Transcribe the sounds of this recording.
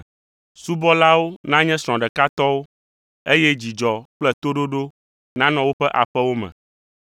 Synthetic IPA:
su˦bɔ˦la˦wo˦nã˦ɲɛ̃˦sɾ̃ɔ̃˨ɖɛ˨ka˦t̪ɔ˦wo˦ | e˦jɛ˦d͡ʑi˨d͡ʒɔ˨k͡plɛ˦t̪o˦ɖo˦ɖo˦ | nã˦nɔ̃˨wo˦ɸɛ˦ʔa˨ɸɛ˦wo˦mɛ̰̃˨

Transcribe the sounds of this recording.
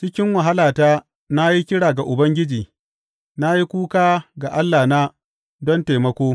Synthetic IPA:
t͡ʃɪ˦kʲɪ˦ŋwɐ˨ɦa˦laː˨taː˦ | na˦ji˦kʲɪ˦ɽaː˨ɡa˨ʔʊ˨bɐ˦ŋɡʲɪ˦d͡ʒiː˨ | na˦ji˦kʷuː˦kaː˦ɡa˨ʔa˦lːaː˨na˦ | dɔ˦nteː˨mɐ˦kʷoː˦

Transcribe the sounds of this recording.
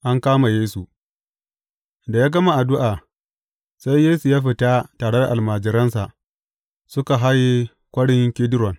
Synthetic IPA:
ʔa˦ŋkaː˦ma˨jeː˦su˨ | da˨jaː˦ɡɐ˦ma˨ʔa˨dʊ˦ʔaː˨ | sa˦jːeː˦su˨jaː˦ɸɪ˨ta˦taː˨ɽe˦da˨ʔa˨lmaː˨d͡ʒɪ˨ɾɐ˦nsa˨ʔ | sʊ˦ka˨ɦa˦je˦ | kʷɐ˦ɽɪ˦ŋkʲɪ˦dɾɔ˨n

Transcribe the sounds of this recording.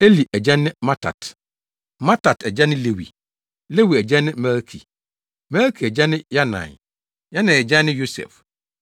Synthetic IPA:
e˦li˨ʔæ˨d͡ʑɛ̃˦nːɪ̃˦ma˦tʰa̰˨t | mã˦ta˨tʰɛ˨d͡ʑɛ˦nɪ̃˦le˦wḭ˨ | le˦wi˨ɛ˨d͡ʑɛ̃˦nːɪ̃˦mɛ˦lkʰḭ˨ | mɛ˦lkʰi˨ɛ˨d͡ʑɛ˦nɪ̃˦ja˦nã̰˨n | ja˦nã˨ɛ˨d͡ʑɛ̃˦nːɪ̃˦jo˦sɛ̰˨f

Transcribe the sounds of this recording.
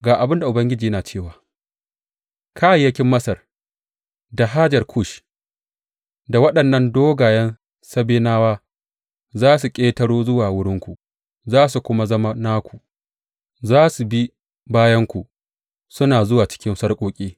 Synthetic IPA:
ɡaː˨ʔa˨bɪ˦nda˨ʔʊ˨bɐ˦ŋɡʲɪ˦d͡ʒiː˨jɐ˦naː˨t͡ʃeː˦˨waː˨ | kʰa˦˨jːɐ˦kʲɪ˦mːɐ˦sɐ˨r | da˨ɦa˦d͡ʒɐ˨rkʰʊ˦˨ʃ | da˨wɐ˦ɗɐ˨nːɐ˦ndoː˦ɡaː˨jɐ˦n | sɐ˦beː˦naː˦waː˦ | zaː˦s̬u˨kʲʼeː˦tɐ˦ɽoː˦zʊ˦waː˨wʊ˦ɽɪ˦ŋkʷu˨ | zaː˦su˨kʷʊ˦ma˦zɐ˦ma˦na˦kʷu˨ | zaː˦su˨bi˦ | baː˦jɐ˦ŋkʷu˨ | sʊ˦naː˨zʊ˦waː˨t͡ʃɪ̥˦kʲɪ˦nsɐ˦rkʷʼoː˦kʲʼiː˦

